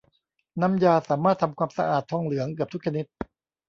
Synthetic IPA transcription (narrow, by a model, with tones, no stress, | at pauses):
na˧˥mjaː˧saː˩˦maː˥˩t̪ʰa˧mkʰwaː˧msa̰˧ʔaː˨˩t̪ʰːɔː˧ŋlɯ˩˦ɐŋkɯ˨˩əp̚t̪u˦˥k̚t͡ɕʰa˧ni˦˥t̪̚